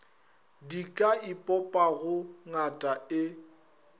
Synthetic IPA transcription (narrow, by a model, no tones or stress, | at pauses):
dikʼaipʼɔpʼaɣʊŋatʼaɪ